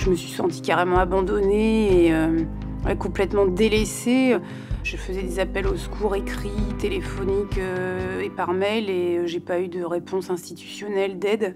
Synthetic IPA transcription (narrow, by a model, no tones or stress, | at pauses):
ʒəməsɥi̥sɑ̰̃t̪i̥kaʁemɑ̃abɑ̃d̪ɔneːø | ɛ̰kɔ̃plɛt̪mɑ̃d̪eleseø | ʒ̥əfəzɛd̪ezapɛloskʰuʁekχit̪elefɔnikʲøepaʁmɛleʒepayd̪əʁepʰɔ̃sɛ̃st̪it̪y̥sjɔnɛld̪ɛd̪